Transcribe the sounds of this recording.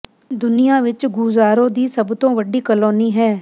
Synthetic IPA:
d̪ʊnɪjãːʋɪt͡ʃɡuzaːɾõːd̪iːsəbt̪õːʋəɖiːkəloːniːɦɛː

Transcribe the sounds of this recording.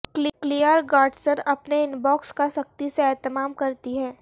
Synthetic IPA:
klɪklijəɾɡaːɖsəɾɐpneɪnbɔːkskasɐk̚t̪iseɛːt̪əmaːmkɐɾt̪iɦɛ̃ː

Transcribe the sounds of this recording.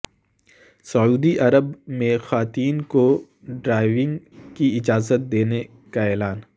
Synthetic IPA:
sɐuːd̪iʔɐɾəbmẽxaːt̪iːnko | ɖɾaːɪʋɪ̃ŋɡ | kiɪd͡ʒaːzət̪̚d̪eːne | kaɛːlaːn

